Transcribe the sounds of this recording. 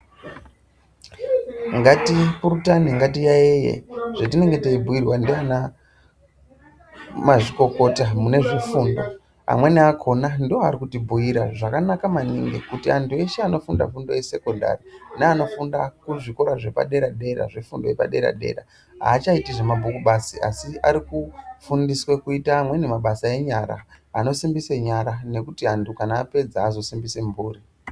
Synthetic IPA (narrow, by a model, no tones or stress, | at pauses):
ŋɡatipuɾutaniŋɡatijaeje̞̰ʐ̥etine̞ŋɡe̞teibʱuirwandiana | maʐiko̞ko̞tamune̞ʐifuːndo̞̰ | a̰mwe̞niakʰo̞nandiwoaɾikutibʱujiɾa̰ʐakanakamanḭŋɡekutiantʰue̞ʃeano̞funda̰fundo̞je̞se̞konda̰rinaːno̞fundakuʐiko̞ɾaʐe̞pa̰ɗe̞ɾaɗe̞ɾa̰ʐifundo̞je̞pa̰ɗe̞̰ɾa̰ɗe̞̰ɾa̰ | ɦa̰ːt͡ʃaitiʐemabʱukuɓasiʔasiaɾikufundiswe̞kuitaːmwe̞nemaɓasae̞ɲaɾa̰ | ano̞simbiseɲaɾane̞kutiantʰukanaːpe̞d͡zaːzo̞simbise̞mbuːɾi